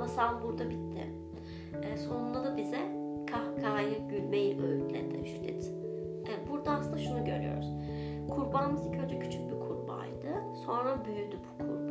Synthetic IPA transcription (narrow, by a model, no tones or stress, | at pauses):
asalˠbuɾd̪abit̪ʰːɪ̰ | ɛːso̞nunˠad̪abizɛkʰahɡʰaːjɯɟylʲbejiʔø̰jʲycʲlʲɛ̰d̪ɛ̰ʃylɛ̰t̪ | ɛbuɾd̪aaslɯnd̪aʃunuɟø̞̰ɾy̰jo̞̰ɾuz | kʰuɾbanɯmɯzicʰønd͡ʒ̪ɛcʰy̥t͡ʃʰyc̚bikʰuɾba̰jd̪ɯso̞nɾabyjyd̪ybukʰuɾb